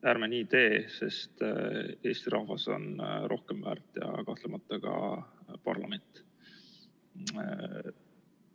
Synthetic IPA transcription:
æɾmenʲiːt̪e̞ːse̞st̪e̞ːst̪iɾʔɑhvɑso̞̰nro̞hkemvæ̰ːrt̪ˑjɑ̰kɑht̪lemɑt̪ːˑɑkɑ̰pɑrlɑ̰me̞nt̪ˑ

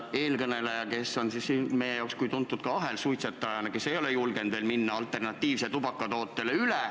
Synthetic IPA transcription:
e̞ːlkɤne̞lɑjɑke̞sːo̞nsisːinme̞jejɑokskujt̪unt̪ːˑud̪̥kɑɑɦelsujt̪set̪ːˑɑjɑnɑke̞sːe̞jo̞lejulɡ̥e̞nd̪̥ve̞ːlminːɑɑlt̪ːˑe̞rnɑt̪ːˑiːvset̪ubɑkːˑɑt̪o̞ːt̪ˑːe̞leyle

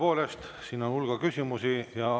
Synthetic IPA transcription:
po̞ːle̞st̪ | siːno̞nulɡ̥ɑkysʲimusijɑ

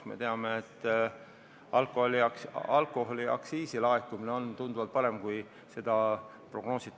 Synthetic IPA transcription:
me̞̰t̪e̞ɑmeːt̪ːˑ | ɑlkːˑoholikɑlkˑo̞ɦoliʔɑ̰ksiːsilɑekːˑumine̞o̞nt̪und̪uvɑlt̪̚pɑɾe̞mkuj | se̞d̪ɑ | pro̞ɡ̥no̞ːsit̪ː

